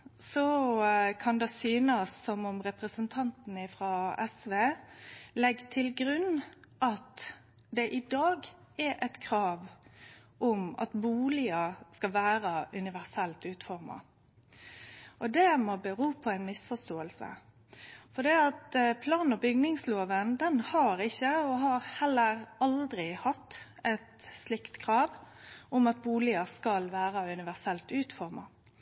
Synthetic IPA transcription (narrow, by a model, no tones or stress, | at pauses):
sɔkʰɑnd̪ɛsyːnəsːɔmʊmɾɛpʁəsənt̪ʰɑnt̪nəɪfɾɑɛsʋeːlɛɡːt̪ʰɪlɡɾʉnːʔɑt̪ | d̪ɛʔɪd̪ɑːɡ | ɛɾʔɛt̪kʰɾɑːʋ | ɔmɑ̰t̪buːlɪəskɑʋæːɾəʔʉnɪʋæʁsɛlt̪ʉːt̪fɔɾmɑ̰ | ʔɔd̪ɛmɔbəɾuːpʰɔæɪnmɪsfɔst̪oːəlsə̰ | fɔd̪iːɑt̪pʰlɑːnnɔbʏɡnɪŋsloːʋənd̪ɛnhɑɾɪçːəɔɦɑɾhɛlːəɾɑld̪ɾɪhɑt̪ːɛt̪slɪkt̪kʰɾɑːʋʊmɑt̪̚buːlɪɑskɑlʋæːɾɑʉnɪʋæɾsɛlt̪ʉːt̪fɔɾmɑ̰